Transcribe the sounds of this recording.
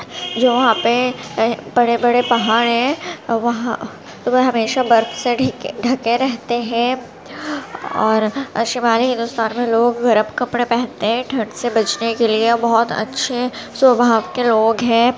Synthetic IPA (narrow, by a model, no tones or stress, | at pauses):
d͡ʒoːʋɐɦãpe | bɐɽebɐɽepɐɦaːɽɦɛ̃ʋɐɦã | t̪oʋeɦɐmeːʃabɐɾd̪seɖɖʱɐkẽɾɛɦt̪eɦɛ̃ː | ɔ̰ːɾɐʃɪmaːliɦɪ̃nd̪ʊst̪aːnmẽloːɡːɐɾəbkɐpɽepɛɦt̪eɦɛ̃ʈʰɐ̃ɳsebɐt͡ʃnekelieɔbɐɦɔt̪ɐ̰tːʃʰesɐbʱaːʋkeloːɡɦɛ̃ː